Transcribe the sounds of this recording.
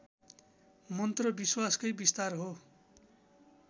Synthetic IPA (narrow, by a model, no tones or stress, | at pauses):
mʌnt̪rʌbiswaskʌjbist̪arɦo